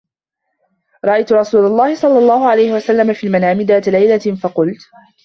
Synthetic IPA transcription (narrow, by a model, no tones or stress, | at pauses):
ɾˤɑʔajt̪ʊɾˤɑsuːlalˤːɑːhɪsˤɑlːɑlˤːɑːhʊʕalajhɪwasalːamafiːlmanaːmɪd̪aːt̪lajlafɑqʊlt̪